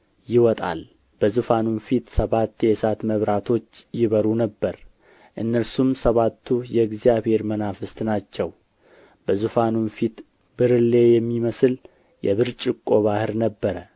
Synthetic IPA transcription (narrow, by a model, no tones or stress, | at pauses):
jɪwɔt̪ʼa̰l | b̥əzufanunfit̪səβat̪ːjɛsat̪məβɾat̪ʰo̞t͡ʃːjɪβəɾunəbːəɾ | ʔɨnːəɾsumsəβat̪ʰːujɛɡzijaβhe̞ɾmənafɨst̪ʼnat͡ʃːɛw | bəzufanunfit̪ | bɨɾɨlːe̞jɛmːiməsɨl | jɛ̰βɨɾt͡ʃʼɪkʼːo̞βahɨɾnəbːəɾə